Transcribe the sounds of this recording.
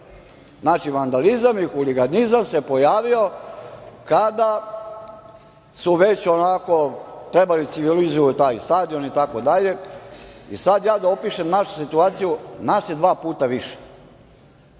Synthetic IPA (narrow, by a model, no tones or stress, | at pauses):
znaːt͡ʃiʋand̪alizamixuliɡanizamse̞po̞jaːʋio̞ | kad̪a | suʋe̞t͡ɕonako̞t̪ɾebalit̪siʋilizujut̪aːjst̪aːd̪io̞nit̪ako̞d̪aʎe̞ | ḭsad̪jaːd̪aopiːʃemnaʃu̥sit̪uaːt̪sijunased̪ʋaːpuːt̪aʋiʃe̥